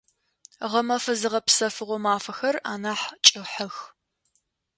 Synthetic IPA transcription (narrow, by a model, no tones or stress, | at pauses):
ʁɐmɐfɐzɨʁɐpsɐfɨʁʷɔmaːfɐxɐra̰ːnaːħt͡ʃʼɪħɐx